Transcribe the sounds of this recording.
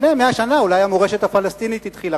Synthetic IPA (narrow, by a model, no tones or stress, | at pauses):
meameaʃanaulajamoʁe̞ʃet̪hafalest̪init̪it̪χila